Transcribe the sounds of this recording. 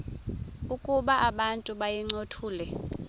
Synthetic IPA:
ukʼuɓaʔaɓantʼuɓajiŋ͡ǀotʰuːlɛ

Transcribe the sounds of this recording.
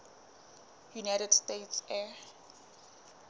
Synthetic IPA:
junajɾɛdstetsɛ

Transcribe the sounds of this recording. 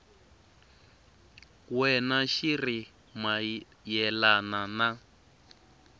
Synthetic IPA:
kwɛnaʃiri | ma | jɛlanana

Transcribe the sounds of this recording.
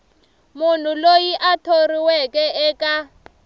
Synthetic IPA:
mun̤ulojiʔatʰoriwɛkʼɛʔɛkʼa

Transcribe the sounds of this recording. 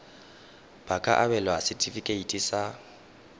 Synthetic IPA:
b̥akʼa̰ʔabɛlɔasɪtʼifikʼeitʼisa

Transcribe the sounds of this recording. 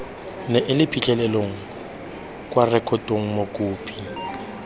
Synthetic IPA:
nɛʔɪlɪpʰikʼɛlɛloŋ̩ | kʼwarɛkʰʼɔtʼoŋ̩mokʼuːpʰʼi

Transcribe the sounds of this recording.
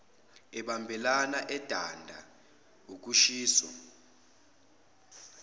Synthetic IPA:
ɛɓambʱɛlanaʔɛd̥ʱandʱa | uk̬uʃiːswɔ̰

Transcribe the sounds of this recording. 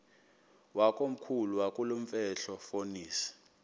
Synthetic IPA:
wakʼom̩kʰuluwakʼuloɱ̩fɛɬɔfoniːsɛ̥

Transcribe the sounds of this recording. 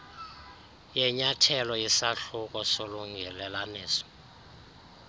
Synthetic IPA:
jɛɲatʰɛlɔjisaɬuk̬ʼɔsoluŋɡʱɛlɛlaneːsɔ̥

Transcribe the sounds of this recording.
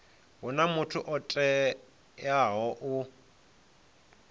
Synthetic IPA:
ɦʊnamʊtʰʊʔɔtʼɛ | jaɦɔʔʊ

